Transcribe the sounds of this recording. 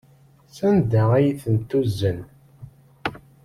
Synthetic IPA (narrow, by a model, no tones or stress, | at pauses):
sænd̪æʁæjiθənt̪ːuzːən